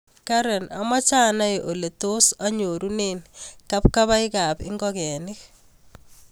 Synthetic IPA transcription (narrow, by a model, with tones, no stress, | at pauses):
kaɾɛ˨na̰˨ma˦t͡ʃaː˦na˦ʔo˨le˨to˦sa˦ɲo˨ɾu˦neːnka˦p̚kaβa˦ɪka˨pɪ̰˦ŋɡɔkɛ˨nɪk